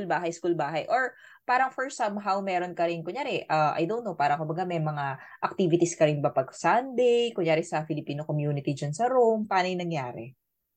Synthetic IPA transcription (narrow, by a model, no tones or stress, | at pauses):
ulbaːɦɐjskuːlbaːɦɐjʔoɹ | paːɾɐŋfɔɹsɐmɦawmɛːɾonkɐɾɪnkʊŋjaːɾɛʔɐʔa̰jd̪onopaːɾɐŋkʊmbɐɡamɛjmɐŋaʔɐk̚t̪iːvɪt̪ɪskɐɾɪnbɐpɐɡsand̪ɛjkʊŋjaːɾɛsɐfɪlɪpiːnokomjuːnɪt̪ɪd͡ʒɐnsɐɾompaːnɐjnɐŋjaːɾɛ̰